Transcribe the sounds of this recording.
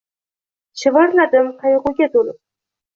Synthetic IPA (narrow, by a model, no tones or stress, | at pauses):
ʃɪvɑɾlad̪ɪmqʰɑjɨʁʊɡʲat̪ʰolɪp̚